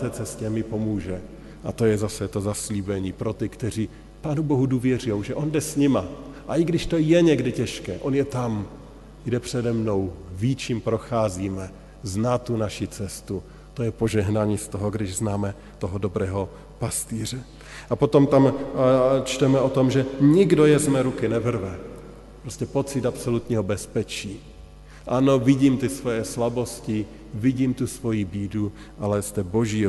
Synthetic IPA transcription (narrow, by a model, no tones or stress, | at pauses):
t̪ɛːt͡sɛscɛmɪpo̞muːʒɛ | ʔat̪o̞jɛzasɛt̪o̞zasliːbɛɲiːpɾo̞t̪ɪkt̪ɛr̝iː | paːnuboɦuduːvjɛrujowʒɛʔo̞ndɛsɲɪmaʔaʔɪɡdɪʃt̪o̞jɛɲɛɡdɪcɛʃkɛːʔo̞njɛt̪am | ɡdɛpr̝̥ɛdɛmno̞wvit͡ʃiːmpɾo̞xaːziːmɛ | znaːt̪unaʃit͡sɛst̪u | t̪o̞jɛpo̞ʒɛɦnaɲiːst̪oɦoɡdɪʒznaːmɛ | t̪oɦodobɾɛːɦo̞ | past̪iːr̝ɛ | ʔapot̪o̞mt̪am | t͡ʃt̪ɛmɛo̞t̪omʒɛɲɪɡdojɛzmɛɾukɪnɛvr̩vɛ | pɾoscɛpo̞t͡sɪt̪apsolut̪ɲiːɦobɛspɛt͡ʃiː | ʔano̞vɪɟiːmt̪ɪsvojɛslabo̞scɪ | vɪɟiːmt̪usvo̞jibiːdu | ʔalɛst̪ɛboʒiː